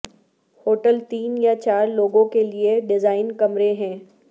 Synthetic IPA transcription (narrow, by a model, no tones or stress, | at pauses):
hoːʈəlt̪iːnjat͡ɕaːɾloːɡõkelieɖɪzaːɪnkɐmɾeɦɛ̃ː